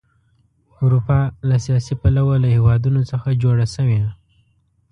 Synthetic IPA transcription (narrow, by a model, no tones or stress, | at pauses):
ʊɾupɑlasijɑsipalawalahewɑd̪unot͡səxad͡ʒoɽasəwe